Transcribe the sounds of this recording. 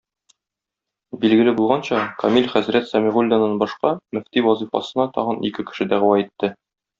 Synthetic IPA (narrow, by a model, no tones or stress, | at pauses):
bilɡɘ̆lɘbulˠʁɑnɕɑkɒmʲilʲχæzɾæt̪sɒmʲiʁulʲd̪ɑnɑnbɒʃqɑmɵ̆ft̪iwɒzɤfɑ̰sɤ̆nɑt̪ɒʁɤ̆nḭkɘkɘ̥̆ʃɘd̪æʁɘ̆wɑit̪ːɘ